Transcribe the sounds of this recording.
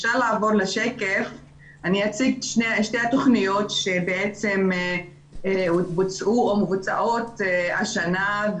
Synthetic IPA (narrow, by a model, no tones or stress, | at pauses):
efʃaʁlaːvo̞ʁleʃekef | aniat͡siɡʃneʃtejat̪o̞χnijo̞tʃebeet͡se̞m | ubut͡sʔuomevut͡sa̰ʔo̞taʃana